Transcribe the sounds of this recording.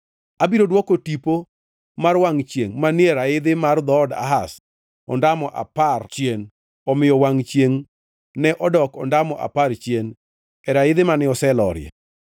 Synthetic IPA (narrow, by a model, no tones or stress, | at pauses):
abiɾodwɔkotipo | marwaŋt͡ʃjeŋmanɪɛɾaɪd̪ɪmard̪ɔɔda̰ɦas | ɔ̰ndamɔʔa̰part͡ʃjen | ɔmɪjɔwaŋt͡ʃjeŋ | nɛʔɔdɔkɔndamɔʔa̰part͡ʃjen | ɛɾaɪd̪ɪmanɪɔsɛlɔ̰ɾjɛ̰